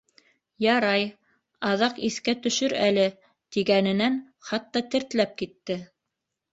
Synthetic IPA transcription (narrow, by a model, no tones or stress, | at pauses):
jɑɾɑj | ɑðɑqiθkæt̪ɵ̆ʃɵɾælɘ | t̪iɡænɘ̆næn | χɑt̪ːɑt̪ɘ̆ɾt̪læp̚kit̪ːɘ